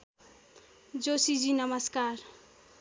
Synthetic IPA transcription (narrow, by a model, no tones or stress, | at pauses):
d͡zosid͡zinʌmʌskaɾ